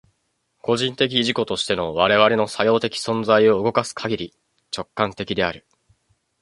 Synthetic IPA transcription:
ko̞ʑĩnt̪e̞k̬ʲiːʑiko̞t̪o̞ɕi̥t̪e̞no̞β̞aɾe̞β̞aɾe̞no̞sajo̞ːt̪e̞kʲi̥sõ̞nd͡zaio̞ɯ̟ɡo̞kasɨ̥kʰaɡʲiɾʲi | t͡ɕo̞kːãnt̪e̞kʲid̪e̞aɾɯ̟

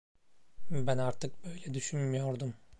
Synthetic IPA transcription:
bænaɾt̪ʰɯk̚bø̞jlʲɛd̪yʃynmyjo̞ɾd̪um

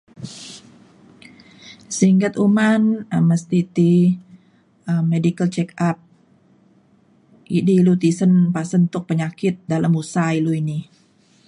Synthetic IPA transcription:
siŋɡət̪umanəmːəst̪it̪i | əmːedikəlt͡ʃɛkap̚ | ʔidiːlut̪isənpasənt̪ʊk̚pəɲakɪt̪̚daləmusailuini

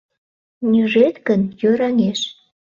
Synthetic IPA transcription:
nʲyʒet̪kənjøɾɑŋeʃ

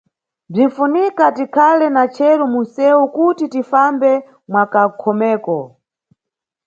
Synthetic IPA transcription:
b͡ʐiɱ̩funikatikʰalɛnat͡ʃʰɛɾumunsɛukutitifambɛ | mwakakʰɔmɛːkɔ

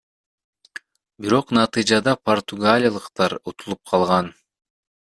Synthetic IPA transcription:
biɾo̞qnɑt̪ɨjd͡ʒɑd̪ɑpʰort̪uɡalʲijalˠɯqt̪ɑɾut̪ʰulˠup̚qʰɑlˠʁɑn

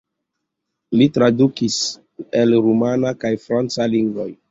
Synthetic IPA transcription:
litɾadukis | elɾumanakajfɾant͡saliŋɡvo̞j

